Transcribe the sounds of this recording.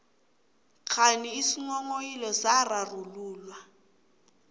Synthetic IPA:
kʰaniisiŋɔŋojilɔsararuluːlwa

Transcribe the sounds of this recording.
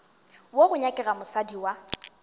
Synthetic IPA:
woɣʊɲakʼɛɣamʊsadiwa

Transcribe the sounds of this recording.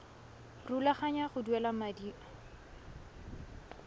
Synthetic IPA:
rulaχaɲaχʊduɛlamadiːa

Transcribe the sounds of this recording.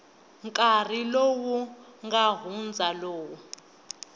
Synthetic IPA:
ŋkʼar̤ilowuŋɡaɦund͡zʱaloːwu

